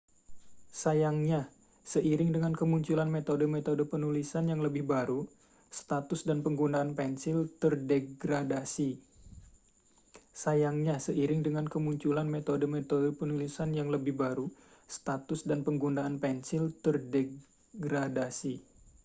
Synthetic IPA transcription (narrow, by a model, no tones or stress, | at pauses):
sajaŋɲa | səʔiɾɪŋdəŋankəmuɲt͡ʃulanmet̪odəmet̪odəpənulisanjaŋləbɪhbaɾu | st̪at̪ʊsdanpəŋɡundaːnpɛnsɪlt̪ərdeɡɾadasi | sajaŋɲasəʔiɾɪŋdəŋankəmuɲt͡ʃulanmet̪odəmet̪odəpənulisanjaŋləbɪhbaɾu | st̪at̪ʊsdanpəŋɡundaːnpɛnsɪlt̪ərde | ɡɾadasi